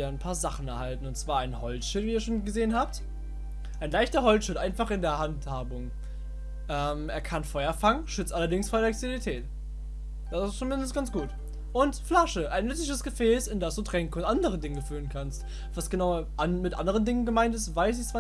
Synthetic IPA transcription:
ɐaɪnpʰaːɐzaχn̩ɛɐhaltn̩ʊntt͡sv̥aːɐaɪnhɔlt͡sʃɪtviːɐʃoːnɡəzeːənɦaːp̚t | ʔaɪnlaɪçtɐɦɔlt͡sʃɪtʔaɪnfaχɪndeːɐhanthaːbʊŋ | ʔɛːmʔeːɐkʰanfɔʏɐfaŋənʃʏt͡stʔalɐdɪŋsfoːɐdɛɛkstelitʰɛːt | d̥asɪst͡sumɪndən̩sɡ̥ant͡sɡ̥uːt | ʔʊntflaʃəʔaɪnːʏt͡sɪçəsɡ̥əfɛːsɪndasd̥uːtʁ̥ɛŋkəʊntʔandəʁ̞ədɪŋəfyːlənkʰanst | v̥asɡ̥ənaʊɐʔamɪtʔa̰ndəʁ̞əndɪŋənɡəmaɪntɪstv̥aɪs̬ɪçt͡sv̥aː

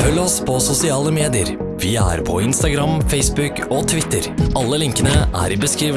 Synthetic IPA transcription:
fœlːɔspʰɔsʊsɪɑːləmeːd̪ɪəɾ | ʋɪæ̰ːɾpʰɔ̰ɪnst̪ɑɡɾɑmfɛɪsbʉk | oːt̪ʰʋɪt̪ːəɾʔɑlːəlɪŋkənəʔæ̰ːɾɪbəskɾiːʋ

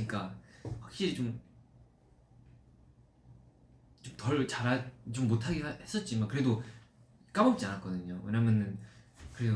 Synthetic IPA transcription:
ɲik͈awak̚ɕ͈iɾit͡ɕom | t͡ɕomtʌɭt͡ɕaɾat͡ɕomːotʰaɡehes͈ʌt̚t͡ɕ͈imakɯɾe̞do | k͈amʌp̚t͡ɕ͈ianak͈ʌdɯɲoweɲamjʌnɯnkɯɾedo

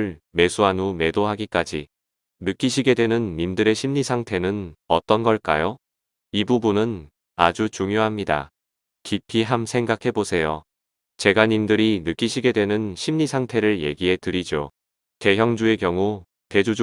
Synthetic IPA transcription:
ɭme̞sʰuanume̞doɦaɡik͈ad͡ʑi | nɯk͈iɕʰiɡe̞dwe̞nɯnːimdɯɾe̞ɕʰimɲisʰaŋtʰe̞nɯnʌt͈ʌnɡʌɭk͈a̰jo | ibubunɯn | ad͡ʑut͡ɕuŋjoɦamɲida̰ | kipʰiɦamsʰe̞ŋɡakʰe̞bosʰe̞jo | t͡ɕe̞ɡaɲimdɯɾinɯk͈iɕʰiɡe̞dwe̞nɯnɕʰimɲisʰaŋtʰe̞ɾɯɭje̞̰ɡiɦe̞tɯɾid͡ʑo | te̞ɦjʌŋd͡ʑue̞kjʌŋu | te̞d͡ʑud͡ʑ

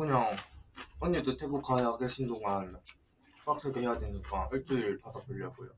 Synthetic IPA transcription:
kɯɲaŋʌɲːedotʰe̞bokʰajakeɕʰindoŋan | p͈ak̚s͈ʰɯɡehejadeɲik͈aɯɭt͡ɕ͈ɯpadapɯʎːʌɡojo

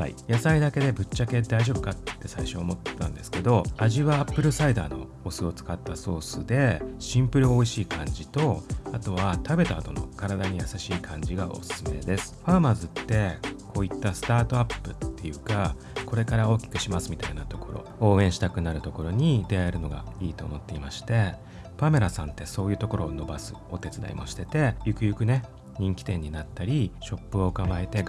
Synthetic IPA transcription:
a̰ḭjasaid̪ake̞d̪e̞bɯ̟t͡ɕːake̞d̪aiʑo̞bɯ̟kat̪ːe̞saiɕo̞ːmo̞t̪ːã̰nd̪e̞sɨ̥ke̞d̪o̞aʑiβaːpːɯ̟ɾɯ̟said̪aːno̞̰ | osɨo̞t͡sɨ̥kat̪ːaso̞ːsɨd̪e̞ɕĩmpɯ̟ɾɯ̟o̞iɕiːkʰãɲ̟d͡ʑit̪o̞at̪o̞βat̪abe̞t̪aːd̪o̞̰no̞̰kaɾad̪aɲ̟ijasaɕiːkʰãɲ̟d͡ʑiɡaʔo̞̰sɨ̥sɨme̞̰d̪e̞sɨ̥ɸamazɨt̪ːe̞kʰo̞ːit̪ːasɨ̥t̪aːt̪o̞apːɯ̟t̪ːe̞jɯ̟ːka | ko̞ɾe̞kaɾao̞ːkʲi̥kɯ̟̥ɕimasɨmʲit̪ainat̪o̞ko̞ɾo̞̰o̞ːẽ̞ɕi̥t̪akɯ̟naɾɯ̟t̪o̞ko̞ɾo̞ɲ̟id̪e̞aeɾɯ̟no̞ɡa̰iːt̪o̞ːmo̞t̪ːe̞imaɕi̥t̪e̞ | pame̞ɾasãnt̪ːe̞so̞ːjɯ̟ːt̪o̞ko̞ɾʔo̞ːno̞basɨ̰o̞t̪e̞t͡sɨd̪a̰ḭmʔo̞̰ɕi̥t̪e̞t̪e̞jɯ̟kɯ̟jɯ̟kɯ̟ne̞ | ɲ̟ĩŋkʲi̥t̪ẽ̞ɲ̟ːinat̪ːaɾʲiɕo̞pːɯ̟o̞ːkamaet̪e̞

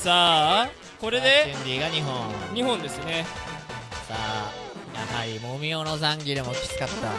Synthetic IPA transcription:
saː | ko̞ɾe̞d̪e̞ẽɲdʲiːɡaɲiɦõɴɲ̟iɦõ̞nd̪e̞sɨne̞ | kaja̰ɦaɾʲimomʲionozãŋɡʲiɾɯ̟mo̞kʲi̥t͡sɨ̥kat̪ːa̰

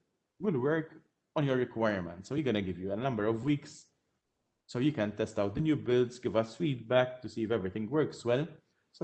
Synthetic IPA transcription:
wɪlwɜɹk | ɔ̃njɔɹːɪkwaɪəɹmɛ̰̃nt̪soʊjiɡɔnəɡɪvjuɛnɐ̃mbəɾɔvwiːks | soʊjʊkɛ̃nt̪ɛst̪ɐwt̪̚d̪ənjuːbɪld̪sɡɪvɐsfiːd̪̚bɛk̚t̪usiːɪfɛvɾɪt̪ɪ̃ŋɡwɜɹkswɛl | s

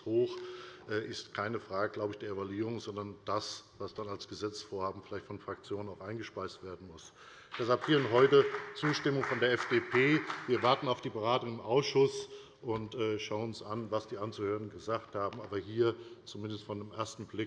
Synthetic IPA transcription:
hoːxʔɛːʔɪstkʰaɪnəfʁ̥aːɡəɡlaʊbəɪçd̥eːɐevaluiːʁ̞ʊŋzɔndɐnd̥asv̥asd̥analsɡ̥əzɛt͡sfoːɐhaːbm̩fɪlaɪçtfɔnfʁ̥ak̚t͡sjoːnənaʊxʔaɪnɡəʃpaɪstv̥eːɐdn̩mʊs | d̥ɛsalphiːɐʊntɦɔʏtət͡suːʃtɪmʊŋfɔndeːɐɛfd̥eːpʰeːviːɐvaɐtn̩aʊfd̥iːbəʁaːtʊŋɪmʔaʊsʃʊs | ʔʊntɛːʃaʊənʊnsʔanvasd̥iːʔant͡suːhøːʁənn̩ɡəzaːkthaːbm̩ʔaːbɐɦiːɐt͡sumɪndəstfɔndeːmʔeːɐstn̩blɪk

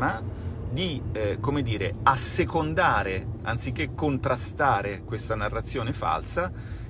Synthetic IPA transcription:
mad̪ikomed̪ːiːɾḛasːekond̪aːɾea̰nt̪sik̟ːekːont̪ɾast̪aːɾekwest̪anarːat̪sːjoːnefa̰lsa

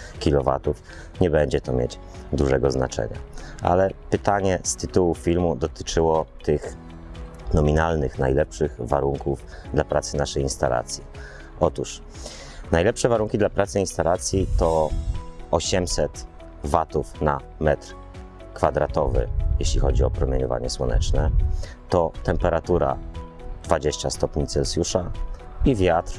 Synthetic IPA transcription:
kʲilɔva̰t̪uf | ɲɛbɛɲd͡ʑɛt̪ɔmʲjḛt͡ɕ | d̪uʐɛɡɔzna̰t͡ʂɛ̰ɲa̰ʔa̰lɛpɘt̪aɲɛst̪ɘt̪uwufʲilmud̪ɔt̪ɘ̥t͡ʂɘwɔt̪ɘx | nɔmʲinalnɘxnajlɛpʂɘɣvaɾuŋkuv | d̪lapɾat̪sɘnaʂɛjinst̪a̰lʔa̰t̪sʲji | ʔɔt̪uʂ | najlɛpʂɛvaɾuŋkʲid̪lapɾat̪sɘĩnst̪alat̪sʲjit̪ɔ | ɔɕɛmsɛt̪ | vat̪ufna | mɛt̪ɾ | kfad̪ɾat̪ɔvɘ̰jeɕlʲixɔd͡ʑiɔpɾɔmʲjeɲɔva̰ɲɛswɔnɛ̰t͡ʂnɛ | t̪ɔt̪ɛmpɛɾat̪uɾa̰d̪vad͡ʑeɕt͡ɕast̪ɔpɲit̪sɛlsʲjuʂa | ivʲjat̪ɾ

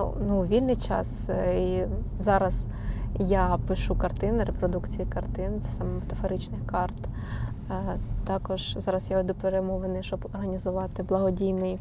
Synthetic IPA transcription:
nuʋʲilʲnɪjt͡ʃɑ̰sizɑɾɐz̥ | japɪʃukɐrt̪ɪnɪɾepɾɔd̪ukt͡sʲijikɐrt̪ɪnsɛ̥sɑmɛmɔt̪ɐfɔɾɪt͡ʃnɪxkɑrt̪ | t̪ɑkɔʒzɑɾɐzjaʋed̪ʊpeɾemɔʋenɪʃt͡ʃɔbɔrɦɐnʲizʊʋɑt̪ɪblˠɐɦɔdʲijnɪj

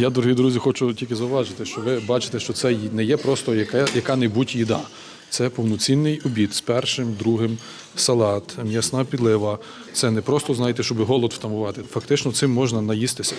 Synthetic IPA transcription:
jad̪ɔɾɔɦid̪ɾuzʲixɔt͡ʃʊtʲilʲkʲɪzɐʊʋɑʒɪt̪ɪʃt͡ʃɔʋɪbɑt͡ʃɪ̥t̪ɛʃt͡ʃɔt̪sɛjnɛjɛpɾɔst̪ɔjɐkɛjɐkɑnɐjbutʲjid̪ɑ | t̪sɛpɔwnɔt͡sʲinːɪjɔbʲit̪spɛrʃɪmd̪ɾuɦɪm | sɐlˠɑt̪mʲjɐsnɑpʲid̪lˠɪʋɐ | t̪sɛnɛpɾɔst̪ɔznɑjet̪ɛʃt͡ʃɔbɪɦɔlˠɔd̪ft̪ɐmʊʋɑt̪ɪfɐkt̪ɪt͡ʃnɔt̪sɪmːɔʒnɐnɐjist̪ɪsʲɐ

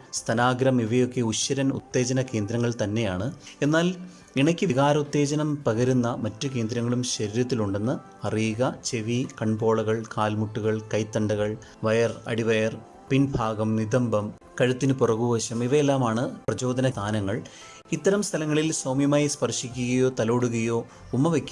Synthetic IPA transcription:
st̪ʰɐnaːɡɾɐmiʋɐjo̞kːe̞uɕːɐɾɐnṵt̪ːe̞ːd͡ʑɐnɐke̞ːnd̪ɾɐŋːɐɭt̪ɐnːe̞jaːɳɨe̞nːaːl | iɳɐkʲːɨʋiɣaːɾɐut̪ːe̞ːd͡ʑɐnɐmpɐɣɐɾunːɐmɐtːuke̞ːnd̪ɾɐŋːɐɭumɕɐɾiɾɐt̪̬ːiluɳɖe̞nːɐ | ɐriːɣɐt͡ɕe̞ʋikɐɳbo̞ːɭɐɣɐɭkaːlmuʈːuɣɐɭkɐjt̪ːɐɳɖɐɣɐɭ | ʋɐjɐrɐ̰ɽiʋɐjɐr | pinbʱaːɡɐmnid̪ɐmbɐm | kɐɻut̪ːinɨpurɐɣuʋɐɕɐmiʋɐjelːaːmaːɳɨprɐd͡ʑo̞ːd̪ɐnɐt̪ʰaːnɐŋːɐɭ | it̪ːɐɾɐmst̪ʰɐlɐŋːɐɭilsoːmjɐmaːjispɐrʂikʲːuɣɐjo̞ːt̪ɐloːɽuɣɐjo̞ː | umːɐʋekʲːu

